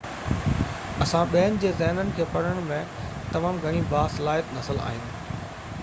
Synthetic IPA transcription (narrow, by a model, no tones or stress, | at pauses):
ɐsãɓeɦənɪ̆d͡ʑeːzɛːɦnənɪ̆kʰeːpɐɽ̤əɽ̃mẽt̪ɐmaːmɡʱɐɽ̃ĩbaːsɐlaːɦɪt̪nɐsəla̰ːɦɪnɪ̆